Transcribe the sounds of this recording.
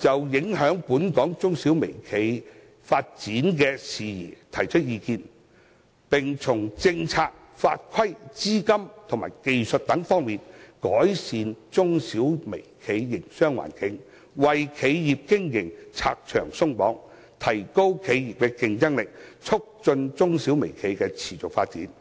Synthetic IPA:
t͡sɐ˨wjɪ˨˥ŋɦœː˨˥ŋpuː˨˥nkɔː˨˥ŋt͡sʊ˥ŋsiː˨˥wme˨˩jkʰe˨˧j | faː˧t̚t͡siː˨˥nkɛː˧siː˨jḭː˨˩t̪ʰɐ˨˩jt͡ʃʰɵ˥t̚jiː˧kiː˧n | pɪ˨˩ŋt͡sʰʊ˨˩ŋt͡sɪ˧ŋt͡sʰaː˧k̚ | fa̰ː˧t̚kʰɐ˥jt͡siː˥kɐ˥mt̪ʰʊ˨˩ŋmaː˨˩jke˨jsɵ˨t̚t̪ɐ˨˥ŋfɔː˥ŋmiː˨nkɔː˨˥jsiː˨˧nt͡sʊ˥ŋsiː˨˥wme˨˩jkʰe˨˧jːɪ˨˩ŋsœː˥ŋwa̰ː˨˩nkɪ˨˥ŋ | wɐ˨jkʰe˨˧jjiː˨p̚kɪ˥ŋjɪ˨˩ŋt͡sʰa̰ː˧k̚t͡ʃʰœ̰ː˨˩ŋsʊ˥ŋpɔː˨˥ŋ | t̪ʰɐ˨˩jko˥wkʰe˨˧jjiː˨p̚kɛː˧kɪ˧ŋt͡sɐ˥ŋlɪ˨k̚t͡sʰʊ˥k̚t͡sɵ˧nt͡sʊ˥ŋsiː˨˥wme˨˩jkʰe˨˧jkɛː˧t͡sʰiː˨˩t͡sʊ˨k̚fa̰ː˧t̚t͡siː˨˥n

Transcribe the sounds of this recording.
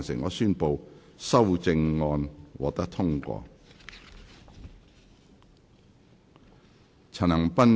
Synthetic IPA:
nsɪ˨˩ŋɔː˨˧syː˥˧npo˨˧wsɐ˥˩wt͡sɪ˧ŋŋɔː˧nwɔ̰˨k̚t̪ɐ˥k̚t̪ʰʊ˥ŋkʷɔ̰ː˧ | t͡sʰɐ˨˩nɐ˨˩ŋpɐ˥n

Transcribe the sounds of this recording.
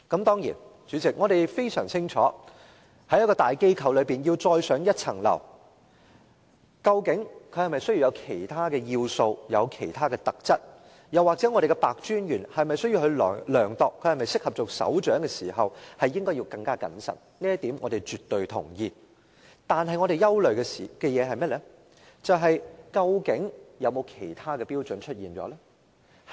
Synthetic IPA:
kɐ˨˥mt̪ɔː˥ŋjḭː˨˩nt͡ʃyː˨˥t͡sɪ˨k̚ŋɔː˨˧ɾe˨jfe˥jsœː˨˩ŋt͡sʰɪ˥ŋt͡ʃʰɔː˨˥ | hɐ˨˥jɐ˥kːɔː˧t̪aː˨jke˥jkʰɐ˨˧wlɵ˨˧ɥpiː˨njiː˧wt͡sɔː˧jsœː˨˥ŋjɐ˥t̚t͡sʰɐ̰˨˩ŋlɐ̰˨˩w | kɐ˧wkɪ˨˥ŋkʰɵ˨˧ɥhɐ˨˩jmɐ˨jsɵ˥ji˧wjɐ˨˧wkʰe˨˩jt̪ʰaː˥kɛː˧jiː˧wso˧wjɐ˨˧wkʰe˨˩jt̪ʰaː˥kɛː˧t̪ɐ˨k̚t͡sɐ˥t̚ | jɐ˨waː˨k̚t͡sɛː˨˥ŋɔ˨˧ɾe˨jkɛ˧paː˨k̚t͡ʃyː˥njyː˨˩nhɐ˨jmɐ˨jsɵ˥ɥjiː˧whɵ˧ɥlːlœː˨˩ŋt̪ɔː˨kʰːɵ˨˧ɥhɐ˨jmɐ˨jsɪ˥k̚hɐ˨p̚t͡sʊ˨˩k̚sɐ̰˨˥wt͡ʃœː˨˥ŋkɛː˧siː˨˩ɦɐ˨whɐ˨jːɪ˥ŋkɔː˥jiː˧wkɐ˧ŋkaː˥kɐ̰˨˥nsɐ̰˨˩n | liː˥jɐ˥t̪iː˨˥mŋɔː˨˧d̪e˨jt͡ʃyː˨t̪ːɵ˨ɥt̪ʰʊ̰˨˩ŋjiː˧ | t̪aː˨˧nɦɐ˨jŋɔː˨˧ɾe˨jɐ˥wlɵ˨ɥkɛ˧si˨kɛ˧jɛː˨˧ɦɐ˨jmɐ˥lɛː˥ | t͡sɐ˨wɦɐ˨jkɐ˧wkɪ˨˥ŋjɐ˨˧wmo˨˧wkʰe˨˩jt̪ʰaː˥kɛː˧piː˥wt͡ʃɵ˨˥nt͡ʃʰɵ˥t̚jiː˨nt͡sɔ̰ː˨˥lɛː˥

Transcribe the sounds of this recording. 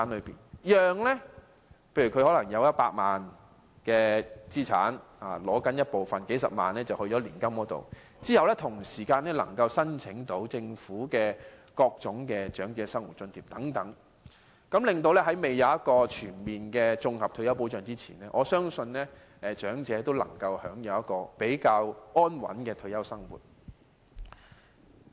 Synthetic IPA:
aː˨˥nlɵ˨˧pḭː˨˩njœː˨ŋlɛ˥ | pʰe˧jɥy˨˩kʰɵ˧ɥhɔː˨˥lɐ˨˩ŋjɐ˨˧wjɐ˥t̚paː˧t̚maː˨n | kɛː˧t͡siː˥t͡sʰa̰ː˨˥n | a̰ː˨˩lɔː˨˥kɐ˨˥njɐ˥t̚po˨wfɐ˨nke˨˥jsɐ̰˨p̚ma̰ː˨nlɛː˥t͡sɐ˨whɵ˧t͡ʃɔ˨˥liː˨˩nkɐ˥mkɔː˨˥t̪o̰˨w | t͡siː˥jɐ˨wlɛ˥t̪ʰʊ˨˩ŋsiː˨˩kaː˧nlɛː˥lɐ̰˨˩ŋkɐ˧wsɐ˥nt͡sʰɪ˨˥ŋt̪o˨˥wt͡sɪ˧ŋfuː˨˥kɛː˧ | kɔː˧k̚t͡sʊ˨˥ŋkɛː˧t͡ʃœː˨˥ŋt͡sɛː˨˧˥sɐ˥ŋwṵ˨t̚t͡sɵ˧nt̪ʰiː˨˩p̚t̪ɐ˨˥ŋt̪ɐ˨˥ŋ | kɐ˨˥mlɪ˨ŋt̪̬o˧wlɛː˥hɐ˨˥jme˨jɐ˨wjɐ˥t̚kɔː˧t͡ʃʰyː˨˩nmiː˨nkɛː˧t͡sʊ˧ŋhɐ˨p̚t̪ʰɵ˧ɥjɐ˥wp̬o˨˥wt͡ʃœː˨ŋt͡siː˥t͡sʰḭː˨˩nlɛː˥ʔɔː˨˧sœː˥ŋsɵ˧nlɛː˥ | ɛ˨˧t͡ʃœː˨˥ŋt͡sɛː˨˧˥t̪o˥wlɐ̰˨˩ŋkɐ˧whœ̰ː˨˥ŋjɐ˨˧wjɐ˥t̚kːɔː˧pe˨˥jkaː˧wɔː˥nwɐ̰˨˥nkɛː˧t̪ʰɵ˧jɐ˥wsɐ˥ŋwṵ˨˩t̚

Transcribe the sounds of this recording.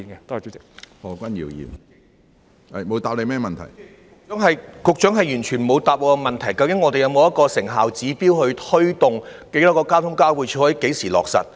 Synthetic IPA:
i˨nɛ˧t̪ːt͡so˨˥t͡sɪ˨˩k̚hɔː˨kʷɐ˥njḭː˨˩wjḭː˨˩m | ɐ˨jmo˨˧wt̪aː˨p̚le˨˧jmɛː˥mɐ˨nt̪ʰɐ̰˨˩jː | ŋɦɐ˨jkʊ˨k̚t͡ʃœː˨˥ŋɦɐ˨jjyː˨˩nt͡ʃʰyː˨˩nmo˨˧wt̪aː˨p̚lɔ˨˧kɔ˧mɐ˨nt̪ʰɐ˨˩jkɐ˧wkɪ˨˥ŋːɔː˨˧t̪e˨jɐ˧wmo˨˧wjɐ˥kɔː˧sɪ˨˩ŋɦaː˨wt͡siː˨˥piː˥whɵ˧ɥt̪ʰɵ˥ɥt̪ʊ˨ŋke˨˥t̪ɔː˨˥kɔː˧kaː˥t̪ʰʊ˥ŋkaː˥wu˨˧t͡ʃʰːwɐ˨˥ke˨˥jsiː˨˩lɔː˨k̚sɐ̰˨t̚

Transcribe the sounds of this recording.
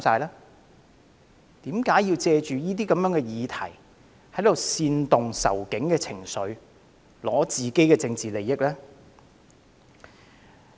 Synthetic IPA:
saː˧jlɛː˥ | t̪iː˨˥mkaː˨˥jiː˧wt͡sɛː˧t͡ʃyː˨jiː˥t̪̬iː˥kɐ˨˥mjœː˨˥ŋkɛ˧jiː˨˧t̪ʰɐ̰˨˩j | hɐ˨˥jt̪o˨wsiː˧nt̪ʊ˨ŋsɐ̰˨˩wkɪ˨˥ŋkɛː˧t͡sʰɪ˨˩ŋsɵ˨˧ɥ | lɔː˨˥t͡siː˨˩ke˥jkɛː˧t͡sɪ˧ŋt͡siː˨le˨˩jːɪ˥k̚lɛː˥

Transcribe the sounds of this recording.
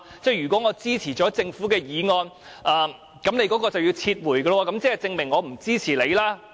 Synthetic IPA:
t͡sɛː˥˩jyː˨˩kʷwɔ˨˥ŋɔː˨˧t͡siː˥t͡sʰiː˨˩t͡ʃɔː˨˥t͡sɪ˧ŋfuː˨˥kɛː˧jiː˨˧ŋɔː˧n | ʔaː˨˧ | kɐ˨˥mne˨˥jkɔː˨˥kɔː˧t͡sɐ˨wji˧wt͡sʰiː˧t̚wuː˨˩jɡə˧lwɔː˧kɐ˨˥mt͡sɛː˥ɐ˨t͡sɪ˧ŋmɪ˨˩ŋːɔː˨˧m̩˨˩t͡siː˥t͡sʰiː˨˩le˨˧jlaː˦˥

